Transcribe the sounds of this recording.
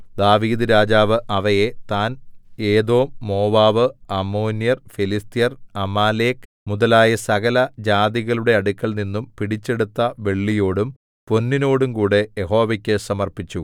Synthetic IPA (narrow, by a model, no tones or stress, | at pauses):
d̪aːʋiːd̪ɨɾaːd͡ʑaːʋɨʔɐʋɐje̞t̪aːneːd̪o̞ːmːo̞ːʋaːʋɨɐmːoːnjɐrfilist̪ijɐrɐmaːle̞ːk | muðɐlaːjɐsɐɣɐlɐd͡ʑaːðiɣɐɭuɽe̞ɐɽukʲːɐɭninːumpiɽit͡ɕːe̞ɽut̪ːɐʋe̞ɭːijo̞ːɽum | po̞nːino̞ːɽumkuːɽe̞jeɦo̞ːʋɐkʲːɨsɐmɐrpit͡ɕːu